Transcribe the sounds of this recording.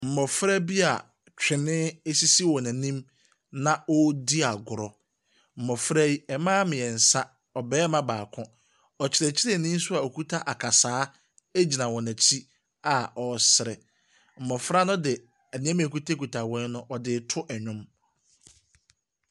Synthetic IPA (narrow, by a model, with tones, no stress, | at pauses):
m̩˨mɔ˨fɾa˦bi˦a˨ | t͡ɕᶣɪ˨nɪ̃˦e˦si˦si˦wɔ˨næ̃˨nĩ˦m | nã˦ɔ˦di˦a˨ɡʊ˨ɾɔ˨ | m̩˨mɔ˨fɾæ˦ji˦ɛ˨mãː˦mɪ̃˨ɛ˨n̩˨sã˦ | ɔ˨bɛː˦mã˦baː˨kʰʊ̃˦ | ɔ˨t͡ɕʰɪ˨ɾɛ˨t͡ɕʰɪ˦ɾɛ˦˨nĩ˦n̩˦sʊ˦a˨o˨kʰu˦tʰa˦ʔa˨kʰa˨saː˦ | e˦d͡ʑi˨nã˨wɔ̃˨næ̃˨t͡ɕʰi˦ | a˨ɔ˨sɪ˨ɾɛ̰˨ | m̩˨mɔ˨fɾa˦nʊ̃˦dɪ˨ | ɛ˨nĩ˦ɛ̃˦mĩ˨æ˨ku˦tʰe˦ku˨tʰa˨wɛ̃˦n˦nʊ̃˦ʔɔ˨dɪ˨˦tʰʊ˦ʔɛ˨ɲᶣʊ̃˦m